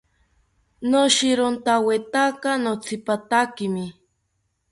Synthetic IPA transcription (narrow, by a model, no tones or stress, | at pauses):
noʃiɾont̪awet̪akanot͡sʰipat̪akimi